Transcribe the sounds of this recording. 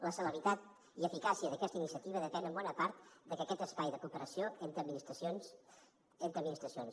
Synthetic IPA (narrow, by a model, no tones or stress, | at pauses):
ləsələβɾit̪at̪ | iəfikasiəðəkɛst̪əinisiət̪iβ̞əðəpɛnəmbɔnəpaɾt̪d̪əkəkɛt̪əspajðəkupəɾəsioent̪ɾəminist̪ɾəsons | ent̪ɾəminist̪ɾəsions